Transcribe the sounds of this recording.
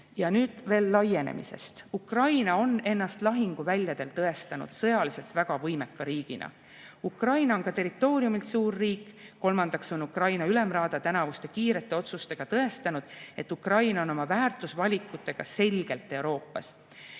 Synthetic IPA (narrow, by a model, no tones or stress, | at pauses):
jɑnyːd̪̥ve̞ːlːɑje̞nḛmḭse̞̰st̪ukrɑjnɑo̞ne̞nːɑst̪lɑɦiŋɡ̥uvælʲjɑd̪̥e̞lt̪ɤe̞st̪ɑnṵd̪̥sɤjɑlise̞lt̪væɡ̥ɑvɤjme̞kːɑɾiːɡ̥ḭnɑ̰ | ukrɑjnɑo̞nkɑt̪e̞rit̪ːˑo̞ːɾiumilt̪suːrːiːkːo̞lmɑnd̪̥ɑkso̞nukrɑjnɑylemrɑːd̪̥ɑt̪ænɑvust̪e̞kiːɾe̞t̪ːˑe̞o̞t̪sust̪e̞ɡ̥ɑt̪ɤe̞st̪ɑnud̪̥e̞t̪ːukrɑjnɑo̞no̞mɑvæːrt̪ːˑusvɑlʲikːˑut̪ːˑe̞ɡ̥ɑse̞lʲɡ̥e̞lt̪ːˑe̞uɾo̞ːpːˑɑ̰s